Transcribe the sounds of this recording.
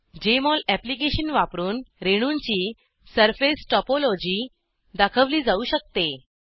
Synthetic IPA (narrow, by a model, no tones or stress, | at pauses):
d͡ʑemɔlæplikeɕənʋapɾuːnɾeɽ̃uɲt͡ɕiː | səɾfesʈɔpolod͡ʑiː | d̪akʰəʋliːd͡zauɕək̚t̪e